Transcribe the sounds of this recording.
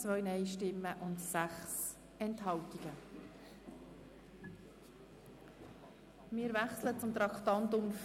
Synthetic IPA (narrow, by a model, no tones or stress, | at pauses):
t͡svœɥnɛjʃtɪmːəʔʊndsæχs | ɛntɦɑltiɡ̥ə | mɪːɾvæχslət͡sʊmt̪ɾɑkt̪ɑnt̪ʊmf